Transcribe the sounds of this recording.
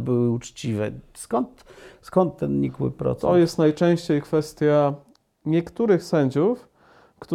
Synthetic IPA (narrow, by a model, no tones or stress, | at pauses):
bɘwɘut͡ʂt͡ɕivɛ̰ | skɔnt̪skɔnt̪ːɛnɲikwɘ̰pɾɔ̰t̪ɔjɛst̪najt͡ʂɛ̃w̃ɕt͡ɕejkfɛst̪ʲja | ɲɛkt̪uɾɘxsɛɲd͡ʑuf | kt̪u